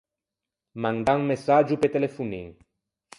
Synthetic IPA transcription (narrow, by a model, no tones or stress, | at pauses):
mãnd̪aŋmesad͡ʒupet̪elefunḭŋ